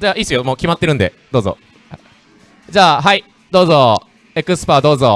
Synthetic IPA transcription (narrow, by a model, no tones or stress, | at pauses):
d͡ʑaːisɨjomoːkʲimat̪ːe̞ɾɯ̟nd̪e̞̰d̪̥oːzo̰ | d͡ʑaːɦai | d̪o̞ːzo | ekɯ̟sɨ̥paːd̪o̞ːzo